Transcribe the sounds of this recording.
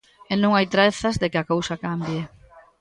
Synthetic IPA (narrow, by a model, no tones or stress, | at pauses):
ɪnõŋajt̪ɾeθɐzðekɪakowsɐkambje